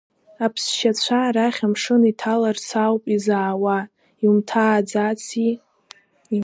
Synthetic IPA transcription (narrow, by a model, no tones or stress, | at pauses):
apʰsʃat͡ɕʷʰaɾaχʲamʂɨnitʰalart͡sʰawpʼizaːwa | iumtʰaːd͡zat͡sʰi